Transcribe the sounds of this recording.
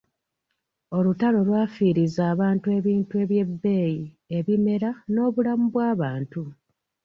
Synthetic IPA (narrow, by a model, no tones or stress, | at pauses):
o̞lutalo̞lwaːfiːɾizaːβaːntue̞βiːntue̞βje̞bːe̞ːji | e̞βime̞ɾano̞ːβulamuβwaːβaːntu